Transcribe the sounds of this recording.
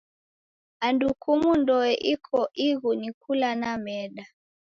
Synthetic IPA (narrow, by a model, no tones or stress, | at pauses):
andukumundɔɛʔikʰɔʔiɣunikulanamɛɗa